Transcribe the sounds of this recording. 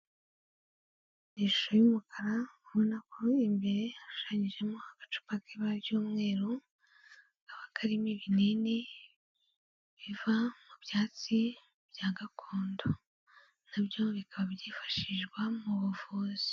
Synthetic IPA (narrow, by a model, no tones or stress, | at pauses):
niʃu̥ʃo̞jumukʰaɾauβonakʰo̞imbe̞ɾe̞aʃu̥ʃaːɲiʒe̞mo̞haɡ̥ḁt͡ʃu̥pakʰeβaβjuːmŋe̞ːɾo | kaβakaɾimiβinini | βivamubjaːt͡si | bjaːɡakʰoːndo | naβjo̞βikʰaβabjiːfḁʃiʒɡwamuβuvuːzi̥